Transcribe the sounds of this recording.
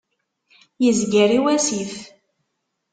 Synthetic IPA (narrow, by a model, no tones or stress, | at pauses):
jəzɡiɾiwæsif